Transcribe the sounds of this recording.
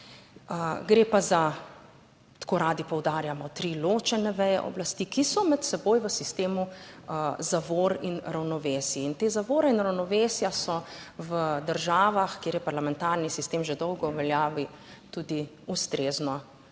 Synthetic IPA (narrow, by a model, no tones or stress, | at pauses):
əɡɾeːpaza | t̪ḁkoːɾaːd̪ipɔwd̪aːɾjamɔt̪ɾiloːt͡ʃɛnɛʋɛjɛ̰ʔɔ̰blast̪iːkisɔmɛt̪sɛboːjʋəsist̪eːmu | zaʋoːɾinɾawnɔʋeːsjiint̪eːzaʋoːɾɛinɾawnɔʋeːsjasɔʋəd̪əɾʒaːʋaxkjeːɾjɛpaɾlamɛnt̪aɾnisist̪eːmʒed̪ɔwɡɔuʋɛljaːʋi | t̪ud̪i | ust̪ɾeːznɔ